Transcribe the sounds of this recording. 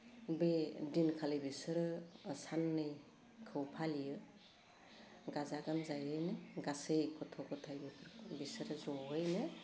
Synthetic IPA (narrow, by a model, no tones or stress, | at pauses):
bedinkʰalɯjbisɯɾɯsanːɯj | kʰɯwpʰalijɯ | ɡazaɡamzajɯjnɯɡasejkʰɔtʰɔkɔtʰajbɯkʰɯɾbisɯɾɯzɔɦɯjnɯ